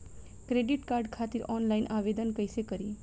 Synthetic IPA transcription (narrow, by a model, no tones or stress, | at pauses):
kɾeɖiʈkaɾɖkʰat̪iɾɔnlainʔaʋed̪ənkəjsekəɾi